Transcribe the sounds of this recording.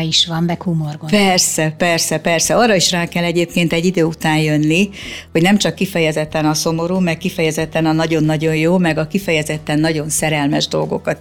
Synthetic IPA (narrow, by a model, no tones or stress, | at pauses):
iʃʋɒmbɛkhumorɡopɛrsɛpɛrsɛpɛrsɛɒrːɒiʃraːkɛlːɛɟeːp̚keːnt̪ɛɟːid̪øːut̪aːnjønːiho̞ɟnɛmt͡ʃɒkːifɛjɛzɛt̪ːɛnɒso̞mo̞ɾuːmɛkkːifɛjɛzɛt̪ːɛnɒnɒɟo̞nːɒɟo̞jjoːmɛɡɒkifɛjɛzɛt̪ːɛnːɒɟo̞nsɛɾɛlmɛʒd̪o̞lɡo̞̰kɒt̪